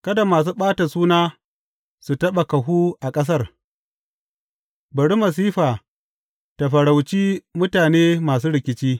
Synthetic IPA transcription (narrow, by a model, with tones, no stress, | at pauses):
kɐ˦da˨maː˨s̬uː˦ɓaː˦ta˨suː˦naː˦ | su˨tɐ˦ɓa˨kɐ˨ɦuː˦ʔa˨kʼɐ˦s̬ɐ˦r | bɐ˨ɽi˦mɐ˨s̬iː˦ɸaː˨ | ta˨ɸɐ˨ɽa˨wt͡ʃiː˦mʊ˦taː˨neː˦maː˨s̬uː˦ɽɪ˨kʲɪ˨t͡ʃiː˦